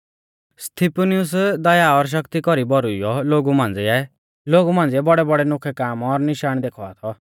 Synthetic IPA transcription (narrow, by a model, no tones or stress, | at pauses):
st̪ʰiponiʊs̬d̪ɐjaɔɾʃ̬ʌkt̪ikɔɾibɔɾuijɔloːɡumãːnd͡ziɛ | loːɡumãːnd͡ziɛbɔɽɛbɔɽɛnʊkʰɛkaːmɔɾnɪʃaːɽ̃d̪ekʰɔa̰ːt̪ʰɔ